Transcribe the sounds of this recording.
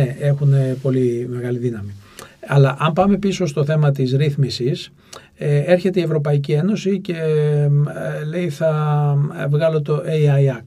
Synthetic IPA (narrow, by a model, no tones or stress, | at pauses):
ee̞xune̞po̞lime̞ɣɐliðinɐmiɐlɐʔɐmpɐme̞piso̞st̪o̞θe̞mɐt̪izɾiθmisis | ee̞ɾçe̞t̪e̞ie̞vɾo̞pɐic̬ie̞no̞sice̞ | le̞iθɐ | vɣɐlo̞t̪o̞ʔeiɐjɐ